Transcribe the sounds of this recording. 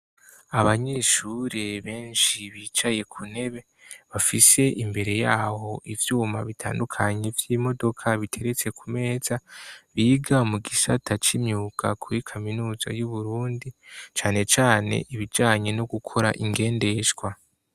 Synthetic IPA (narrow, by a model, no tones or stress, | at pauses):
aβaɲeːʃuɾeβe̞ːnʃiβiːt͡ʃaje̞kʰune̞βe̞ | βafise̞ʔimbe̞ɾe̞jaːho̞ʔivjuːma̰βitʰaːndukʰaɲe̞vjiːmo̞do̞kʰaβitʰe̞ɾe̞t͡se̞kʰume̞ːz̥aβiːɡamuɡisatʰat͡ʃimɲuːkʰa̰kʰuɾikʰaminuːza̰juβuɾuːndit͡ʃaːne̞t͡ʃaːne̞̰ʔiβid͡ʒaːɲe̞noɡukʰo̞ɾa̰ʔiŋɡe̞ːnde̞ʃɡwa